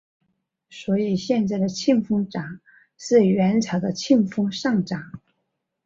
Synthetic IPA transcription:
swɔ˧˥i˨˩ɕjɛ˥˧nt͡sa˥˩ɪd̪ə˩t͡ɕʰi˥˩ŋfʊ˥ŋʈ͡ʂɑ˨˩˦ŋ | ʂɻ̩˥˩ɥɛ˧˥nt͡sʰɑ˧˥ʊd̪ə˧t͡ɕʰi˥˩ŋfʊ˥ŋʂɑ˥˩ŋʈ͡ʂɑ˨˩˦ŋ

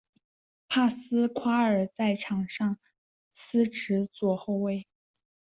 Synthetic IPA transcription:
pʰa˥˩sɹ̩˥kʰwa˥ə˞˨˩t͡sa˥˩ɪʈ͡ʂʰɑ˨˩ŋʂɑ˥˩ŋ | sɹ̩˥ʈ͡ʂɻ̩˧˥t͡swɔ˥˩xo˥˧ʊwe˥˩ɪ

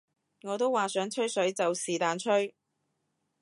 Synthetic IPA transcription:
ŋɔː˨˧t̪o˥wːaː˨˩sœː˨˥ŋt͡ʃʰɵ˥ɥsɵ˨˥ɥt͡sɐ˨wsiː˨˩t̪aː˨˧nt͡ʃʰɵ˥ɥ

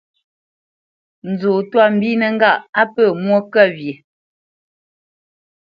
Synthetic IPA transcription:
n̩˨zo˨twa˦˨m̩˨bi˦nə˨ŋ̩˦ɡa˦˨ʔa˦pə˦˨mwo˦kɛ˦˨vje˨

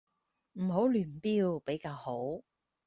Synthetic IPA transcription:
m̩˨˩ɦo˨˥wlyː˨˩npiː˧wpe˨˥jkaː˧who˨˥w

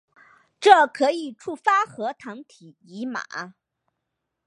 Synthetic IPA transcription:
ʈ͡ʂɤ˥˩kʰɤ˧˥i˨˩ʈ͡ʂʰu˥˩fa˥xɤ˧˥t̪ʰɤ˧˥ŋt̪ʰi˨˩ | i˧˥ma̰˨˩˦

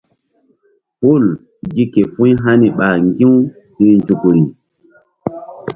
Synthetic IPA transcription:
po˦˨l | ɡi˦ke˨fũ˦jɦa˦ni˨ɓa˨ŋɡĩ˦w | hi˦ɾnd͡ʒu˨ku˨ɾi˨

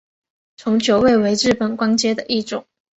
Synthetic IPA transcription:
t͡sʰʊ˧˥ŋt͡ɕjo˧˥ʊwe˥˩ɪwe˧˥ɪɻɻ̩˥˩pə˩nkwa˥nt͡ɕjɛ˥d̪ə˨ʔi˥˩ʈ͡ʂʊ˨˩˦ŋ

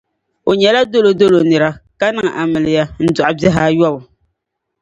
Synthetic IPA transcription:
o˨ɲɛ˨la˦do˦lo˨do˦lo˨nɨ˨ɾa˦ka˦nɨ˦˨ŋ˨ʔa˨mɨ˨lɨ˨ja˦n̩˦dɔ˨ʔa˨bɛ˦ɦaː˦jɔ˦bʊ˨

